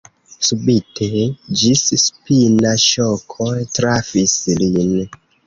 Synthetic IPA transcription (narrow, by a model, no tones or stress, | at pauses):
subitʰed͡ʒisspinaʃokʰojtɾafislin